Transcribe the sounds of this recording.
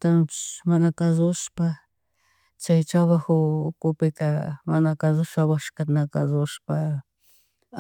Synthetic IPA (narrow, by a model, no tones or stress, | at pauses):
t̪anmanakazʊʃpa | t͡ʃajt͡ʃawaxʊːkʊpɪt̪amanakazʊʃawaʃkat̪nakazʊʃpa